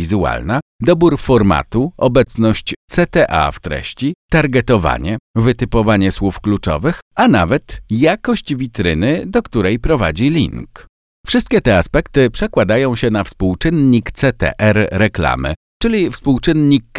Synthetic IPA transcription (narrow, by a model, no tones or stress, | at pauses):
izua̰lnad̪ɔbuɾfɔɾma̰t̪uɔbɛt̪snɔɕt͡ɕt̪sɛt̪ɛʔa̰ft̪ɾɛ̰ɕt͡ɕit̪aɾɡɛt̪ɔva̰ɲɛvɘt̪ɘpɔvaɲɛswufklut͡ʂɔ̰vɘxana̰vɛt̪jakɔɕt͡ɕvʲit̪ɾɘnɘd̪ɔkt̪uɾɛjpɾɔva̰d͡ʑilʲḭŋk | fʂɘst̪̚kʲɛt̪ɛaspɛkt̪ɘpʂɛkwad̪ajɔ̃w̃ɕɛnafspuwt͡ʂɘnːɲikt̪sɛt̪ɛ̰ʔɛɾɾɛkla̰mɘ̰ | t͡ʂɘlʲifspuwt͡ʂɘnɲik